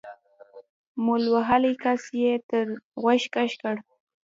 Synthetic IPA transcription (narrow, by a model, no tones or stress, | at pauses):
mʊlwaɦalijkasjet̪əɾɣaʃkaʃkaɽ